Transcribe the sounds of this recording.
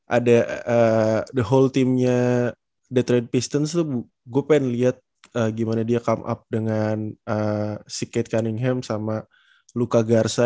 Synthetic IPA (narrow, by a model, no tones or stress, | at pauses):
ʔa̰daədəɦolt̪imɲa | dət̪ɾɛd̚pist̪ənst̪ubu | ɡuapaɪnliɦat̪̚ | əːɡimanadiakamʔa̰p̚dəŋanəsikɛt̪̚kanɪŋɦɛmsama | lukaɡarsa